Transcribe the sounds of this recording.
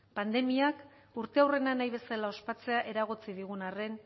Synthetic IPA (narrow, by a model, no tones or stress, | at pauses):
pand̪e̞miak | uɾt̪e̞awre̞nanajβe̞salao̞spat͡se̞aʔe̞ɾaɣ̞ot͡siðiɣ̞unare̞n